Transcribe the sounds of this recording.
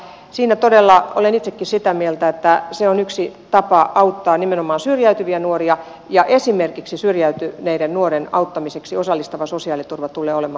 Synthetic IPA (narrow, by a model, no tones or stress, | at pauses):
siːnæt̪odelːɑo̰lenit̪sekːissit̪æmielt̪æet̪ːæseonyksit̪ɑpɑʔɑut̪ːɑːnimenomˑɑːnsyrjæyt̪yʋiænuoriɑ | jɑʔesimerkiksisyrjæyt̪ynæiɾennuoɾenɑ̰ut̪ːɑmiseksiosɑlːist̪ɑʋɑsosiɑːlit̪urʋɑt̪ulːˑeːolemɑː